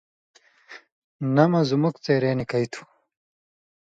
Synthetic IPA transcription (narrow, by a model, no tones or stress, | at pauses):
nɐmɐzumukt͡seːɾeːnikɐjt̪ʰu̥